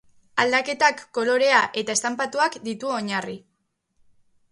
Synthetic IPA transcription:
ald̪ake̞t̪akːo̞lo̞ɾe̞aʔe̞t̪ae̞st̪ampat̪uakd̪it̪uo̞ɲari

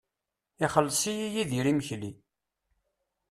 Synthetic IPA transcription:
ɪχəlːsijijiðiɾiməçli

